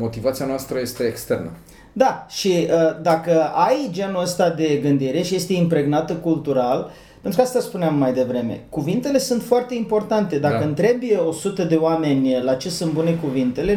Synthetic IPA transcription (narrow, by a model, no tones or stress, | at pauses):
mo̞t̪ivat̪sianoast̪ɾəje̞st̪e̞ːkst̪e̞rnə̰ | d̪aʃiəd̪akəajd͡ʒe̞nuəst̪ad̪e̞ɡɨnd̪iɾe̞ʃije̞st̪e̞impɾe̞ɡnat̪əkult̪uɾal | pent̪ɾukast̪aspuneamːajd̪e̞vɾe̞me̞̰kuvint̪e̞le̞sunt̪foart̪e̞impo̞rt̪ant̪e̞d̪akəɨnt̪ɾe̞bjeo̞sut̪əd̪e̞oame̞nʲlat͡ʃesɨnbune̞kuvint̪e̞le̞